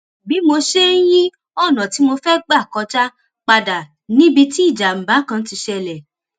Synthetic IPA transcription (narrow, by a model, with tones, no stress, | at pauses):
bi˨˦mo˧ʃe˦n̩˦j̃ĩ˦ | ɔ˦˨nã˨ti˨˦mo˧fɛ˦ɡ͡ba˦˨kɔ˧t͡ʃa˦ | k͡pa˧da˨ | nĩ˦bi˧ti˦i˦˨d͡ʒa˨m̩˨ba˨˦kã˧˦ti˧ʃɛ˧˨lɛ˨